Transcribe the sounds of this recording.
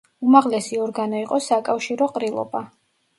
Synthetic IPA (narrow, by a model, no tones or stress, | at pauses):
umaʁlɛsiɔɾɡanɔiqʼɔsakʼafʃiɾɔqʼɾilˠɔ̰ba